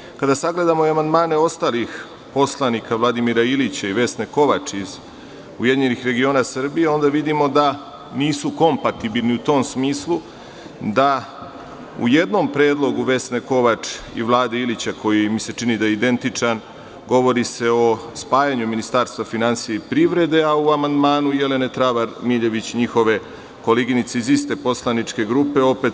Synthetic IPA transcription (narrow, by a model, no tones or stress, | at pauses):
kad̪asaɡle̞d̪amoiamand̪maːne̞o̞st̪aːlix | po̞slˠanikaʋlˠad̪imiɾailit͡ɕaiʋe̞sneko̞ʋat͡ʂiz | ujed̪iɲe̞nixɾe̞ɡio̞ːnasr̩bije̞o̞nd̪aʋid̪imo̞d̪a | niːsuko̞mpat̪ibilniut̪o̞ːmsmiːslˠu | d̪a | ṵje̞d̪no̞mpɾeːd̪lˠo̞ɡuʋe̞sneko̞ʋat͡ʂḭʋlˠaːd̪eilit͡ɕakʰo̞jimise̞t͡ʂinid̪ajeid̪e̞nt̪it͡ʂan | ɡo̞ʋo̞ɾise̞o̞spaːjaɲuminist̪aɾst̪ʋafinansijeipɾiʋɾe̞d̪e̞auamand̪maːnujele̞ne̞t̪ɾaʋaɾmiʎe̞ʋit͡ɕɲixo̞ʋe̞ | ko̞leɡinit̪se̞izist̪e̞po̞slˠanit͡ʂke̞ɡɾupe̞o̞pe̞t̪